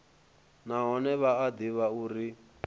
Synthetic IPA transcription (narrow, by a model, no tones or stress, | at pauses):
naɦɔnɛβaːd̪iβauɾi